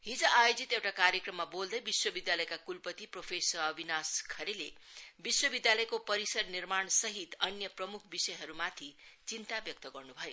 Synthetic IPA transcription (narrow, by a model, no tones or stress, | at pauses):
ɦid͡zʌʔajod͡zit̪ewʈakaɾjekrʌmːabold̪ʌjbiswʌbid̪jalʌjkakulpʌt̪ipropʰesʌɾʌbʱinaskʰʌɾelebiswʌbid̪jalʌjkopʌɾisʌrnirmaɳsʌɦit̪ʌnjʌprʌmukʰbisʌjɦʌɾumat̪ʰit͡sint̪abjʌk̚t̪ʌɡʌrnubʱʌjo